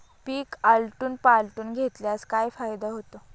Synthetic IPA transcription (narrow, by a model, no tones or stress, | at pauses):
piːkalʈuːnpalʈuːnɡʱet̪ljaskajfajd̪əɦot̪o